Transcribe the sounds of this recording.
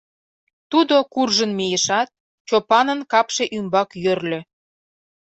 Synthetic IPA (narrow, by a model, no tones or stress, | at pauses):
t̪ud̪okurʒənmejə̆ʃɑt̪̚ | t͡ɕopɑnənkɑpʃeʔymbɑkjørlʲø